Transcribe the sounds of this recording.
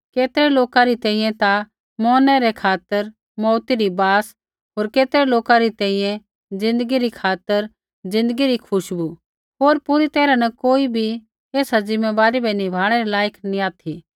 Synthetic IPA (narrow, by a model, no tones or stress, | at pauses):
keːt̪ɾɛloːkaɾit̪ɛ̃ːĩjɛ̃t̪a | mɔːnɛɾekʰaːt̪əɾ | mɔːt̪iɾibaːs | ɦoːɾkeːt̪ɾɛloːkaɾit̪ɛ̃ĩjẽ | d͡zɪ̃nd̪əɡiɾikʰaːt̪əɾ | d͡zɪ̃nd̪əɡiɾikʰʊʃbu | ɦoːɾpʊɾit̪ɛːɾanɐkoːibʱi | eːsazɪmːeʋaːɾibɛnibʱaːɽ̃ɛɾilaːjəknĩaːt̪ʰi